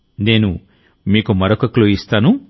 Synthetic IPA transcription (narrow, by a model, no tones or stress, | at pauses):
ne̞ːnu | miːkumɐɾokɐkloist̪aːnu